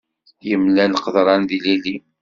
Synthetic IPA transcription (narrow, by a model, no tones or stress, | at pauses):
jəmlænqəðɾˤɑnðilili